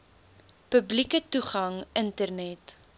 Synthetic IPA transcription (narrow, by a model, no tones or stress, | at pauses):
pəblikətuχɐŋʔəntərnɛt